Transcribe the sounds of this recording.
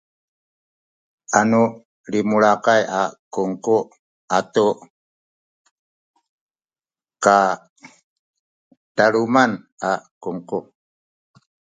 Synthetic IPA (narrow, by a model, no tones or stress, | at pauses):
anu | limuɭakajakuŋku | atuʔ | ka | taɾuman | akuŋku